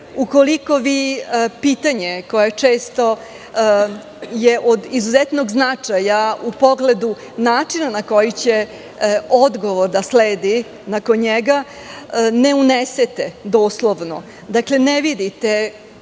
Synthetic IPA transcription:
ukoliko̞ʋiːpiːt̪aɲeko̞jet͡ʂeːst̪o̞ | jeʔod̪izuzet̪no̞ɡznat͡ʂajaupo̞ɡle̞d̪u | naːt͡ʂinanako̞jit͡ɕe | od̪ɡo̞ʋoɾd̪asleːd̪i | nako̞nɲeɡa | neuneset̪ed̪oːslˠoʋno̰ | d̪akle̞neʋid̪it̪e

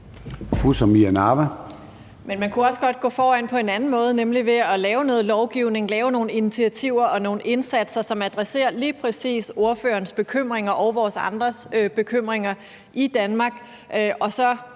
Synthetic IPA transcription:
fusɒmiænɑʋæ | menmænkʰuɒ̽səɡ̥ɒ̽d̥̚ɡ̥ɔ̰̽ːfɒːæn̰pʰɒ̽e̝nænn̩mɔ̽ːð̞̩ˠnemliʋe̝ɒlɛːʊnɔ̽ːð̞̩ˠlɒʊɡ̥iʊne̝ŋlɛːʊno̝ːn̩init͡sʰiæt͡sʰiʊ̰ɐʔɒ̽no̝ːn̩e̝nsæd̥sɐsɒ̽mæd̥ʁɛse̝̰ːɐliːpʰʁɛsḭːso̝ɐfø̰ːɐnsb̥e̝kʰøm̰ʁeŋɐʔɒʊʋɒːsɑ̈nd̥ʁɐsb̥e̝kʰøm̰ʁeŋɐ | ʔid̥ænmɑ̈ːɡ̥ | ʔʔɒ̽sɒ̽

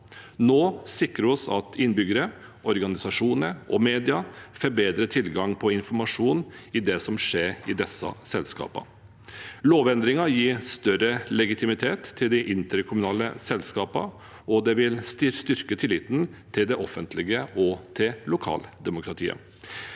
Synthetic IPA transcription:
noːsɪkɾəɔsɑ̰t̪ʰɪnːbʏɡəɾə | ɔɾɡɑnɪsɑʂuːnəʔɔmeːd̪ɪɑfɔɾbeːd̪ɾət̪ʰɪlɡɑŋpʰɔɪnfɔɾmɑʂuːnɪd̪ɛsɔmʂeːɾɪd̪ɛsːɑ̰sɛlskɑ̰ːpɑ̰ | loːʋɛnd̪ɾɪŋɑjiːst̪œɾəlɛɡɪt̪ʰɪmɪt̪ʰeːt̪ʰːɪld̪ɪʔɪnt̪əɾkʰʊmʉnɑːlə̰sɛlskɑːpɑ̰ | ɔd̪ɛʋɪlst̪ɪst̪ʏɾkət̪ʰɪlɪt̪ːn̩t̪ʰɪld̪ɛʔɔfənt̪ʰlɪɡəʔɔt̪ʰɪlʊkʰɑ̰ːld̪ɛmʊkʰɾɑt̪ʰḭːə̰

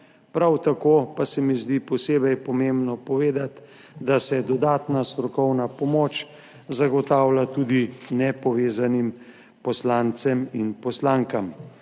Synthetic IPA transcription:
pɾawt̪akoːpasɛmizd̪ipɔseːbɛjpɔmembnɔpɔʋeːd̪at̪ | d̪asɛd̪ɔd̪aːt̪nast̪ɾɔkɔwnapɔmoːt͡ʃ | zaɡɔt̪aːwlat̪uːd̪inɛpɔʋeːzanim | pɔslant̪sɛminpɔslaŋkam

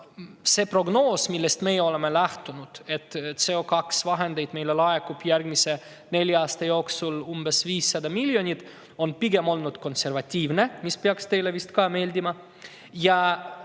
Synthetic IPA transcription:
se̞pro̞ɡno̞ːsmilːest̪me̞jeo̞le̞melæht̪unud̪̥e̞t̪ːˑse̞okɑksvɑɦend̪e̞jd̪̥me̞jle̞lɑekːub̥jærɡmise̞ | ne̞lʲjɑːst̪ɑjo̞ːksulumb̥e̞sviːsːɑd̪ɑmilʲjo̞nʲit̪ | o̞npiɡ̥e̞mo̞lnud̪ko̞nse̞ɾvɑt̪ʲːiːvne̞mispeɑkst̪e̞jle̞vist̪kɑːme̞ːlʲd̪imɑ | jɑ

